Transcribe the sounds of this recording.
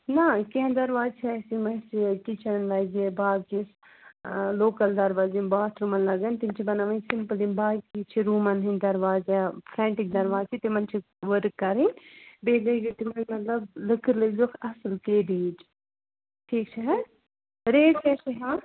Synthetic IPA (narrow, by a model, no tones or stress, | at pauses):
nakɛ̃ɦd̪ɐɾʋaːzt͡ʃʰiɛsimɐsikit͡ʃʰɐɽɐnlɐd͡ʒebaːɡkis | loːkɐld̪ɐɾʋaːzinbaːt̪ʰɾumɐnlɐɡɐnt̪int͡ʃʰibɐnaʋɐnsimpəlimbaːɡ̚kit͡ʃʰiɾuːmɐnɦĩnd̪ɐɾʋaːzapʰɾɛ̃ːɳʈik̚d̪ɐɾʋaːzt͡ʃʰit̪imɐnt͡ʃʰi | ʋəɾkːɐɾinbeːɡɐɡit̪imɐnmɐt̪lɐblɨkʰɨɾlɐd͡ʒoːkʰɐslkeːɖiːd͡ʒ | ʈʰiːkt͡ʃʰɛɦɛ | ɾeːʈɛsiɦãː